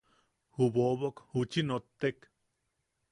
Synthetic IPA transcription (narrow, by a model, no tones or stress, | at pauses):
huβoβokhut͡ʃinot̪ːek